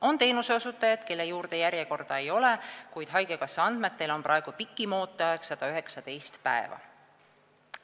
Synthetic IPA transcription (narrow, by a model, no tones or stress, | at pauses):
o̞nt̪e̞ːnuseosut̪ːˑɑjɑd̪̥ke̞lːe̞juːrd̪̥e̞jæɾjeko̞rd̪̥ɑe̞jo̞le̞kujd̪̥ɦɑjɡ̥ekɑsːeɑnd̪̥me̞t̪ːˑe̞lo̞nprɑe̞ɡ̥upikːˑimo̞ːt̪ˑːɑjɑksɑd̪̥ɑyɦe̞ksɑt̪e̞jst̪pæ̰e̞̰vɑ̰